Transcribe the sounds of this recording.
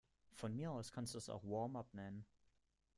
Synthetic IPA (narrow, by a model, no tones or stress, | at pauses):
fɔnmiːɐaʊskʰansd̥udasa̰ʊxʋɔːmapnɛnən